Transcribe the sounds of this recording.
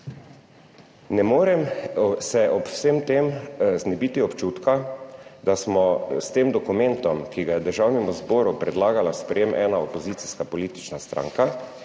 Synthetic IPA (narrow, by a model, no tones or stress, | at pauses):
nɛmoːɾɛmsɛʔɔpw̥semt̪emznɛbit̪iɔpt͡ʃuːt̪kad̪asmɔst̪eːmd̪ɔkumɛ̃nt̪ɔmkiɡajɛd̪əɾʒawnɛmuzbɔːɾupɾɛd̪laːɡalaspɾɛjemʔɛːnaɔpɔziːt̪siskapɔliːt̪i̥t͡ʃnast̪ɾã̰ŋka